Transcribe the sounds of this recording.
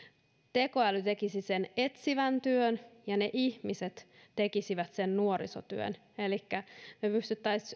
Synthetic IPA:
t̪e̞koælyt̪e̞kisisene̞t̪siʋænt̪yønjɑneʔihmiset̪t̪e̞kisiʋæt̪sennuoɾḭsot̪yø̰n | elikːænepyst̪yt̪ːæis

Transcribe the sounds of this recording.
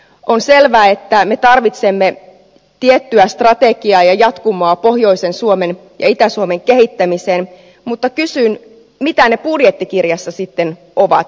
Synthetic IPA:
ʔonse̞lʋæːet̪ːæme̞t̪ɑrʋit̪semːe | t̪iet̪ːyæst̪rɑt̪eɡiɑːjɑjɑt̪kumoɑpo̞hjo̞isensuomen | jɑ̰it̪æsuomeŋkeɦit̪ːæmiseːn | mut̪ːɑkysyːn | mit̪æne̞pudjet̪ːikirjɑsːɑsit̪ːen | oʋɑ̰t̪

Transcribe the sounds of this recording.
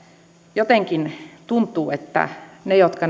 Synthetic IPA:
jot̪eŋkint̪unt̪ˑuːet̪ːæ̰nejot̪kɑ

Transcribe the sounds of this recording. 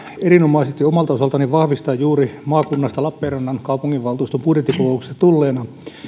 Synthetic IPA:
erinomɑiset̪ːiomɑlt̪ɑosɑlt̪ɑniʋʋɑhʋist̪ɑːjjuːɾimɑːkunːɑst̪ɑlɑpːeːrɑnːɑnkɑupuŋːiʋʋɑlt̪uːst̪umpudjet̪ːikokoukse̥st̪ɑt̪ulːeːnɑ

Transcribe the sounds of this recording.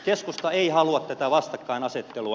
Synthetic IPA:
keskust̪ɑeihɑluɑt̪t̪æt̪æʋɑst̪ɑkːɑinɑset̪ːeluɑ

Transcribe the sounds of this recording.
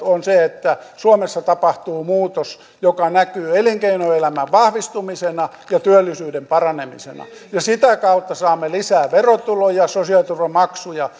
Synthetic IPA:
onseet̪ːæsuomesːɑt̪ɑpɑht̪uːmuːt̪os | jokɑnækyːeliŋkeinoelæmæʋʋɑhʋist̪umisenɑ | jɑt̪yølːˑisyːdempɑrɑnemḭsḛnɑ̰ | jɑsit̪ækɑut̪ːɑsɑːmːelisæːʋerot̪ulojɑsosiɑlt̪urʋomɑksujɑ

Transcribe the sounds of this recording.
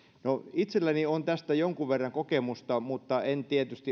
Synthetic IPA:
noit̪selːæniont̪æst̪æjoŋkuʋʋerːɑŋkokemust̪ɑmut̪ːɑent̪iet̪yst̪i

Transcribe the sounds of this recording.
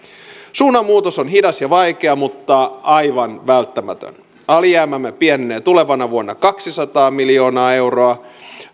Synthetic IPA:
suːnɑmuːt̪osonɦidɑsjɑʋɑikeɑmut̪ːɑʔɑiʋɑnʋælt̪ːæmæ̰t̪ø̰n | ɑliæːmæmːepienːeːt̪uleʋɑnɑʋuonːɑkɑksisɑt̪ɑːmiljo̞ːnɑːe̞wroɑ

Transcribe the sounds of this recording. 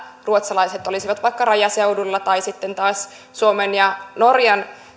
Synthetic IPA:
ruot̪sɑlɑiset̪olisiʋɑt̪ʋɑikːɑrɑjɑseudulːɑt̪ɑisit̪ːent̪ɑːs | suomenjɑnorjɑn

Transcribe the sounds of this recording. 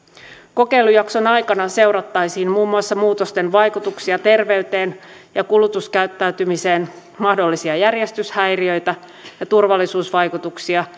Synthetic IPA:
ko̞ke̞jlujɑkso̞nɑjkɑnɑse̞wɾɑt̪ːɑjsiːnmuːmːuɑsːɑmuːt̪ost̪enʋɑjkut̪uksiɑt̪e̞rʋe̞yt̪e̞ːn | jɑkulut̪uskæyt̪ːæyt̪ymise̞ːn | mɑhdo̞lːisiɑjærjest̪yshæjriø̞jt̪æ | jɑt̪urʋɑlːisuːsʋɑjkut̪uksiɑ

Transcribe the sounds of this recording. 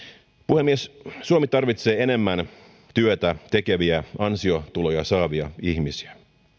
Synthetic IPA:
puhemːiessuomit̪ɑrʋit̪se̞ːene̞mːæn | t̪yøt̪æt̪e̞keʋiæɑnsio̞t̪ulojɑsɑːʋiɑ̰içmisiæ

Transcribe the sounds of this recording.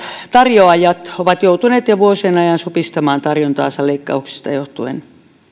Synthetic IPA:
t̪ɑrjoɑjɑt̪oʋɑt̪jout̪uneːt̪jɑʋuosenɑjɑnsupist̪ɑmɑːnt̪ɑrjont̪ɑ̰ːnsɑleikːɑ̰uksi̥st̪ɑjoht̪uḛn

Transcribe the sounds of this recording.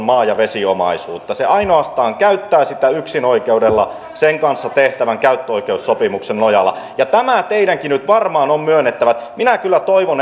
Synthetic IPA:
mɑːjɑʋesiomɑ̰isuːt̪ːɑseʔɑinoɑst̪ɑːŋkæyt̪ːæːsit̪æyksinoikeudelːɑ | seŋkɑnsːɑt̪eht̪æʋæŋkæyt̪ːøoikeusːopimuksennojɑlːˑɑ̰jɑt̪æmæt̪eidæŋkinyt̪ʋɑrmɑːnommyønːet̪ːæʋæt̪minækylːæt̪oiʋon

